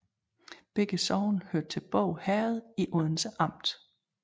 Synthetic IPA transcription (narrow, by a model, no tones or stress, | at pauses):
b̥eɡ̥əsɒʊnhøɐd̥̚t͡sʰe̝lb̥ɔ̰ʊ̰hæɐð̞ˠiʔɔðˠn̩səʔɑ̈m̰d̥